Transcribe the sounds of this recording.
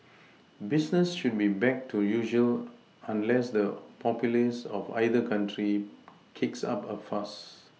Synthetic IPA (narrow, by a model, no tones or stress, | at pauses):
bisnəsʃud̚bibɛk̚tʰujuʒəl | ãnlɛsdəpʰɔpjulisɔfa̰ɪdəkʰãntʰɹi | kʰiksa̰pəfas